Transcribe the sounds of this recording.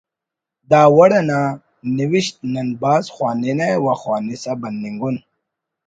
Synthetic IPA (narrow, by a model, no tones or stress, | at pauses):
d̪aːwɐɽɐna | niwiɕt̪̚nɐnbaːzxwaːninewaxwaːnisabɐnːiŋɡun